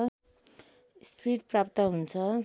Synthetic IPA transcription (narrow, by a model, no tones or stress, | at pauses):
spiʈ̚prapt̪ʌɦunt͡sʰʌ